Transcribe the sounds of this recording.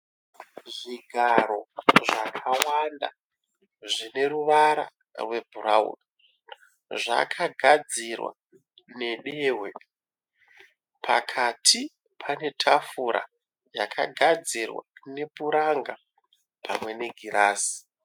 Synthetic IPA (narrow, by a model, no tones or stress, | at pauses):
ʐiɡʱaɾoʐakʰawanda̰ | ʐine̞ɾuʋaɾa̰ | rwe̞bʱuɾaṵːɗa | ʐa̰kʰaɡʱad͡zirwa̰ | ne̞ɗe̞ːwe̞ | pʰa̰kʰatʰi | pʰane̞tʰafuɾʔa̰ | jakʰa̰ɡʱad͡zirwa̰ne̞puɾaŋɡa | pʰamwe̞ne̞ɡʱiɾaːsi̥